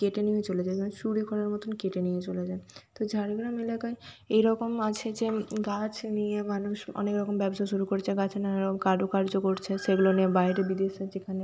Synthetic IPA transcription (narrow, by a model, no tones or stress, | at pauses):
keʈenijet͡ɕoled͡ʑakʰaneʃuɽikʰɔɽaɾmɔt̪ʰonkeʈenijet͡ɕoled͡ʑaet̪od͡ʑʱaɾiɡɾamelakaeejɾɔkomat͡ɕʰed͡ʑeɡat͡ɕʰnijemanuʃɔ̰nekɾɔkombɛbost̪ʰaʃuɾukoɾet͡ɕʰeɡat͡ɕʰnaeɾɔkomkaɖokaɾd͡ʑokoɾt͡ɕʰeʃeɡuloniebaeɾebid̪eʃed͡ʑekʰane